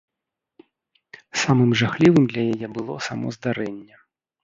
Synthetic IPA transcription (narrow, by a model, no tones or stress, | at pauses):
samɨmʐaxlʲivɨmd̪lʲɐjajɛbɨlˠɔsamɔ̰zd̪aɾɛnʲːɐ